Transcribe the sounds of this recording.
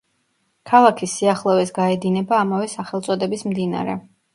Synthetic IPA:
kʰalˠakʰisːiaχlˠɔvɛsɡaɛd̪inɛbaːmavɛsaχɛlˠt̪sʼɔd̪ɛbismd̪ina̰ɾɛ̰

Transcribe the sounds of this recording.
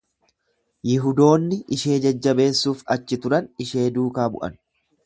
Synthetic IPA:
jɪɦʊd̪o̞ːnːɪʔɪʃe̞ːd͡ʒɐd͡ʒːɐbe̞ːsːuːfɐt͡ʃːɪt̪ʊɾɐnɪʃe̞ːd̪uːkaːbʊ̰ʔɐ̰n

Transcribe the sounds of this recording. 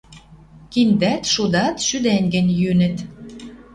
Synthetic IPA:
kind̪æt̪ʃud̪ɑt̪ʃyd̪ænʲɡə̆nʲjønɘ̆t̪

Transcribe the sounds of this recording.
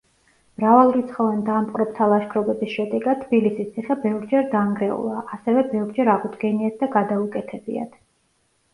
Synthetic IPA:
mɾavalˠuɾit̪sʰχɔvɛnd̪ampqʼɾɔp̚t̪ʰalˠaʃkʰɾɔbɛbisʃɛd̪ɛɡat̪ʰːbilisist̪sʰiχɛbɛvɾd͡ʒɛɾd̪aŋɡɾɛṵlˠaʔasɛvɛbɛvɾd͡ʒɛɾaʁud̪ɡɛniat̪̚ʰd̪aɡad̪aukʼɛt̪ʰɛbḭa̰d̪̥ʰ

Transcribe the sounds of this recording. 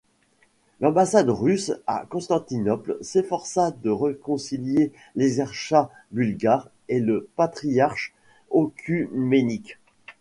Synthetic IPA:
lɑ̃basad̪ʁysa̰kɔ̃st̪ɑ̃t̪inɔplsefɔʁsad̪əʁəkɔ̃silje | leɡzɛʁʃa | bylɡaːʁ | eləpat̪χijaʁʃ | okʲʰymenik

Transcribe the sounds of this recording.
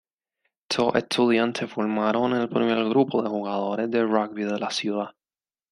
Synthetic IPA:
t̪ʰoʔḛst̪ʰuðjansefiɾmaɾonelpɾimeɾɣɾupoðexuɣaðo̞ɾezðeraɡbiðelasjuða

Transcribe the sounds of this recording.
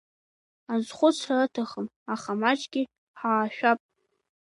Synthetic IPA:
azχʷʊt͡sʰraatʰaχəm | aχamat͡ʃʼɡʲɪ | ħaːʃᶣapʼ

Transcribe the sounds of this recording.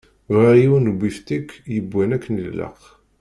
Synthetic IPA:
vaiwnɡʷːift̪ikːjəbʷːænækːnəllə̰q

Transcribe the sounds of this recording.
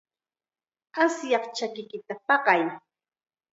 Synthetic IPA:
asjɑχt͡ʃakɪkɪt̪apɑɢɑj

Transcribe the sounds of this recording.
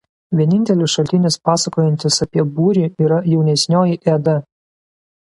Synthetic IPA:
ʋʲiɛnʲɪnʲt̪ʲɛlʲɪsʃɐlʲt̪ʲɪnʲɪspɑːsɐkoːjɛnʲt̪ʲɪsɐpʲiɛbuːɾʲiːiːɾɐjɛʊnʲɛsʲnʲoːjiʔɛd̪ɐ

